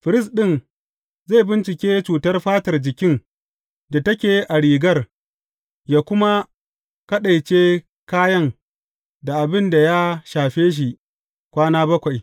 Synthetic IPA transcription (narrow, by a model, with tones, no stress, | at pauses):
ɸɪ˨ɾɪ˦s̬ɗɪ˦n | za˦˨jbɪ˦nt͡ʃɪ˨kʲeː˦t͡ʃuː˨tɐ˦rɸaː˦tɐ˨rd͡ʒɪ˨kʲɪ˦ŋ | da˨tɐ˦kʲeː˨˦ʔa˨ɽiː˨ɡɐ˦r | jaː˦kʷʊ˦ma˦ | kɐ˦ɗa˨jt͡ʃeː˦ | kaː˦jɐ˦ŋ | da˨ʔa˨bɪ˦nda˨ja˦ʃaː˨ɸeː˦ʃ̬i˨ | kʷaː˦naː˦bɐ˦kʷa˨j